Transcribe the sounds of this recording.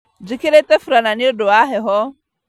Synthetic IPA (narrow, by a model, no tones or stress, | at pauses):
d͡ʒɪkʰeɾet̪əfɾananiɖoaːɦeɦɔ